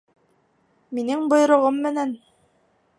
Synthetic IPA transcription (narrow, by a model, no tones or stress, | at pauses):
minɘŋbŏj̆ɾŏʁɤmːɘ̆næn